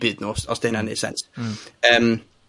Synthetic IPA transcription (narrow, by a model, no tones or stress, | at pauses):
b̥ɨːdnusɔsd̥eːnanḛsɛ̰nsəːm